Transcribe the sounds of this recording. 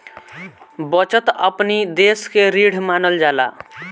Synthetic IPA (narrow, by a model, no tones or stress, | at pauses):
bʌt͡sʌt̪ʌpnid̪eskeɾiɽ̤ʱmanʌld͡zala̰